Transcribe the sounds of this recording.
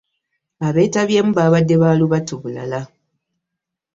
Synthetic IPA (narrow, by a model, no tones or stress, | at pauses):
aβe̞ːtaβje̞ːmuβaːβadːe̞βaːluβatuβula̰la